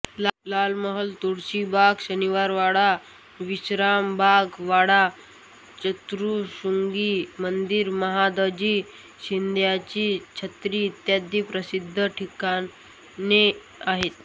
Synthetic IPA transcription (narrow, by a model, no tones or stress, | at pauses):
llalməɦəlt̪uɽɕibʱaɡɕəniʋaɾʋaɽa | ʋiɕɾambʱaɡʋaɽa | t͡ɕət̪ɾuɕuŋɡimənd̪iɾməɦad̪əd͡ʑiː | ɕind̪ʱjat͡ɕiːt͡ɕʰət̪ɾiːt̪jad̪ʱipɾəsid̪ʱːəʈʰikan | ne | aɦet̪̚